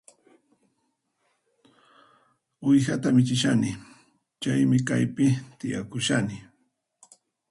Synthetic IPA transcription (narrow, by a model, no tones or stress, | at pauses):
ʊjxat̪amɪt͡ʃɪʃanɪ | t͡ʃajmɪkajpɪt̪ɪja̰kʊʃanɪ